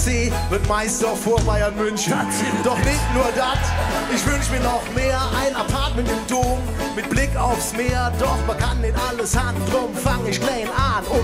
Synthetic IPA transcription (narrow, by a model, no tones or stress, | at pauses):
t͡seːvɪɐtmaɪstɔfoːɐfaɪɐnmʏnçnd̥ɔχnɪçtnuːɐdatʔɪçv̥ʏnʃəmiːɐnɔχmeːɐʔaɪnapʰaɐtmɛntɪmdoːm | mɪt̚b̥lɪka̰ʊfsmeːɐdɔχmakʰanːɪtʔaləshand̥ʁɔmmfaŋəɪçɡlaɪnanʔʊ